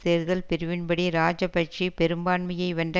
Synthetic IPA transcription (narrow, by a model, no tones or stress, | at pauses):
t̪eːɾɣɐɭpɛɾɯʋɪnbɐɽiɾaːd͡ʒɐpɐʈ̚t͡ʃipɛɾɯmbaːɳmɐjɐɪʋɐɳɖɐ